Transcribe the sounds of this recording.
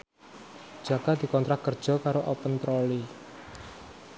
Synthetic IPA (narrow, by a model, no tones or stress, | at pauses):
d͡ʒ̥ä̤kad̪̥i̤kɔnt̪ɾak̪̚kərd̥ʒ̥ɔ̤kaɾoʔɔpənt̪ɾoli